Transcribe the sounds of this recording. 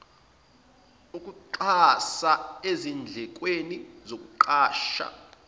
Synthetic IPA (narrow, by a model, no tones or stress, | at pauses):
ukʼuǃasaezind͡ɮʱɛk̬ʼwenizok̬ʼuǃʰaːʃa̰